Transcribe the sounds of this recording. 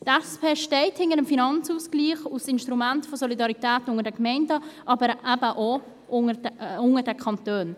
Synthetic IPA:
tɛspʰeːʃtɛɪthɪŋəɾəmfinɑnt͡susɡliːχusɪnʃtʁumæntfɔsɔlidɑɾitæːtʊŋəɾdɛkmɛɪndəʔɑːbəɾʔæbəʔo | ʔʊŋəʊŋədɛkʰɑntøːn

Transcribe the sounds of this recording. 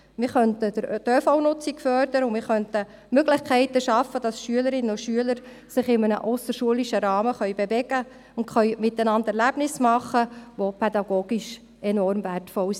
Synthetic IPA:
mɪɾχœntədəɾdøfawnʊt͡sikfœɾd̪əɾəʊmɪɾχœntə | møɡlɪχkʰɛɪtəʃɑfːəd̥ɑsʃyələɾɪnːəʊʃyələɾ | sɪχɪmənə̰ʔɔsəʃuəliʃəɾɑːməχœʏbevɛɡə | ʊntχœɥmɪt̪ːənɑndɛɾlæb̥nɪsmɑχːəʋopʰɛd̪ɑɡoːɡ̥iʃ | ɛnɔɾmværtfɔls

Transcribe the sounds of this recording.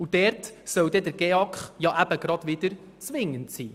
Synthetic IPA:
ud̥ɛɾtsœwd̪ɛd̪əɾɡ̥ɛɑkχjɑʔæb̥əɡɾɑd̥̪ʋɪd̥̪əɾ | t͡sʋɪŋːəntsiː

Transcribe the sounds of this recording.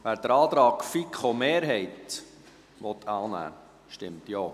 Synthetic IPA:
ʋæːɾd̥̪əɾɑːt̪ɾɑːkfikχomeːɾɦɛɪt̪ | ʋɔt̪ʰːɑːnæ̰ː | ʃtɪmt̪joː

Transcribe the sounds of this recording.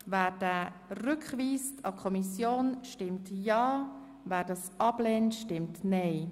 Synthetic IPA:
væːɾd̥æɾʏkχviːstʰɑkʰɔmisjoːnʃtɪmtjɑː | væːɾdɑsʔɑb̥lɛːntʃtɪmtnɛɪ

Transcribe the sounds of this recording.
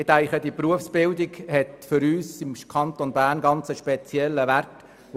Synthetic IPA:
ɪt̪æɪχədipruəfsb̥ɪldiɡhɛtfʏɾyːsɪmkʰɑnt̪onbæːɾnɡɑnt͡səʃpɛt͡sjɛlːəʋært

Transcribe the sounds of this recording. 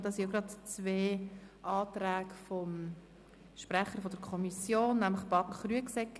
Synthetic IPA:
d̥ɑsinoɡɾɑdt͡sveːʔɑːt̪ɾæːɡfɔm | ʃpɾæχəfɔd̥əɾkʰɔmisjoːnːæmləχb̥ɑdn̩χryəksɛkː

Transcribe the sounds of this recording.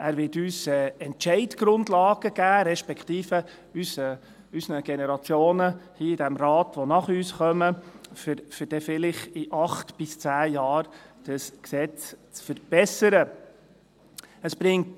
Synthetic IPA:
ʔæːɾʋɪtyːsɛɛntt͡ʃɛɪdɡ̥ɾʊndlɑːɡ̥əɡ̥æːɾɛʃpɛkʰt̪iːfə | ysə | ysənəɡ̥enɛɾɑt͡sjoːnəhiːɪd̥æmɾɑːtʋonɑχyːsχœməfɾfʏɾd̥ɛfɪlɪχɪʔɑχtb̥ɪst͡sæːjɑːɾd̥əsksɛt͡st͡sfəɾb̥ɛsəɾə | əsb̥ɾɪŋt

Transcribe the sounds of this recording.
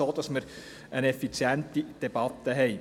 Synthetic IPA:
oːd̪̥ɑsməɾ | ənɛfit͡sjænt̪id̪̥ɛb̥ɑt̪ːəɦɛɪ

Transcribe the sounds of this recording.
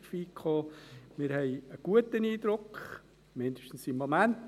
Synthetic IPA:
fiːkχoːmɪɾhɛɪəɡ̥uətəniːd̪ɾʊkχ | mɪnd̥̪əʃtn̩simːomænt

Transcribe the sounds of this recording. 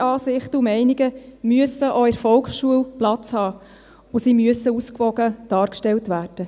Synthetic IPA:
ɑːsɪχtəumɛɪniɡəmyəsəʔɔɪɾfɔlˠksʃuəlplɑt͡shɑː | ʊsimyəsəuskʋɔɡəd̥ɑːɾkʃtɛltʋæːrd̥ə

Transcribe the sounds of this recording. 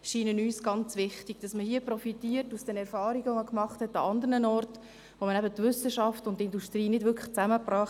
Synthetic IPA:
ʃiːnənyːsɡ̥ɑnt͡sʋɪχtiɡ̥d̥ɑsməhiəprɔfitiːərtusd̥ɛnɛɾfɑːɾiɡəʋoməkmɑχthɛtːɑɑndəɾnənɔrt | ʋomənɛbətʋʏsəʃɑftʊntːɪnduʃtɾiːnɪdvʏɾkʰlə̥t͡sæməpɾɑːχ

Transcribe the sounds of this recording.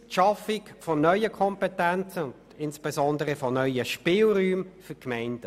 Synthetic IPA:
ʃɑfɪkfɔnœʏəkʰɔmpɛtænt͡səʊnd | ɪnspɛzɔnd̪əɾəfɔnœʏəʃpɪːlɾyːmfʏkmɛɪnd̥ə

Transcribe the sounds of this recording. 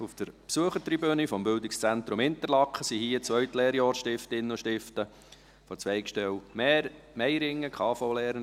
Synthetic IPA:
uft̪əɾpsuəχəɾtɾibønifɔmbʏldɪkst͡sæntɾʊmɪnt̪əɾlɑkχəsihiət͡sʋœɥtleːɾjɑːɾsʃtɪftɪnːəoʃtɪftə | fɔt͡sʋɛɪkʃtɛwmɛːɾ | mɛɪɾɪŋːəkʰχɑːfɔlɛːɾən

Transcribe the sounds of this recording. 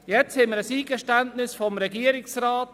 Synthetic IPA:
jɛt͡shɛməɾəsiːɡ̥əʃtæntnɪsfɔmɾɛɡiəɾɪksraːt

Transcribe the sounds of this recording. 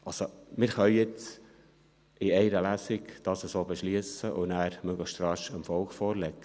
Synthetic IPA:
ʔɑlsomɪɾχœʏjɪt͡s | ɪɛɪɾəlæsɪkd̥ɑːsəsoːbɛʃliəsəʔʊnæːɾmøɡləχʃt̪ɾɑʃəmfɔlkfɔːɾlɛkːə

